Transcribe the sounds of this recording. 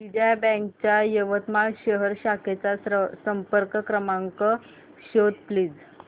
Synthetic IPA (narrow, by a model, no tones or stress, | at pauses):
ʋiɽjabɛ̃ŋk̚t͡ɕjajəʋət̪maɕəɦəɾɕaket͡sasəmpəɾkəkɾəmaŋkə | ɕot̪pliːd͡z